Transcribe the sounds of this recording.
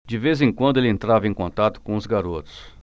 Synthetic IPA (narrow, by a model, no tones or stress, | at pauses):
d͡ʒɪvezẽkwɐ̃nd̪ʊelɪẽnt̪ɾavɐẽj̃kõnt̪at̪ʊ̥kõʊzɡaɾot̪ʊ̥s